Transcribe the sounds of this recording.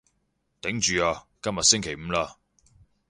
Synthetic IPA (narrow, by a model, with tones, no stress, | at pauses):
t̪ɪ˨˥ŋt͡ʃyː˨aː˧kɐ˥mjɐ˨t̚sɪ˥ŋkʰe˨˩jm̩˨˧˥laː˧